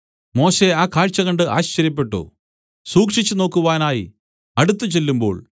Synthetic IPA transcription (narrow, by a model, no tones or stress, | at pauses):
mo̞ːɕe̞aːkaːɻt͡ɕːɐɣɐɳɖɨʔaːɕt͡ɕɐɾip̬ːe̞ʈːṵ | suːkʂit͡ɕːɨno̞ːkːuʋaːnaːji | ɐɽut̪ːɨt͡ɕe̞lːumbo̞̰ːɭ